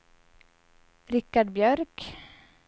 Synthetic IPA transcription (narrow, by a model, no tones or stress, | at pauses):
ɾɪkːaɖbjœɾk